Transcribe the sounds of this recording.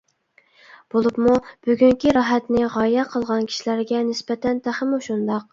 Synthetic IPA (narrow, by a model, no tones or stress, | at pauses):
b̥olˠupmub̥yɡʲyŋkʲiɾɑɦɛt̪nɪʁɑjɛqʰəlˠʁɑnkʲʰi̥ʃilæɾɡʲɛnɪspɛt̪ʰɛnt̪ʰæχɪmuʃund̪ɑq